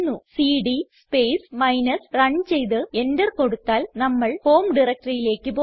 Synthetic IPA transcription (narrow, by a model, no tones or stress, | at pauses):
nːusiːɖispeːsmɐjnɐsrɐɳt͡ɕe̞jt̪ɨe̞ndɐrko̞ɽut̪ːaːlnɐmːɐɭho̞ːmɖirɐk̚ʈɐrijile̞ːkːɨpoː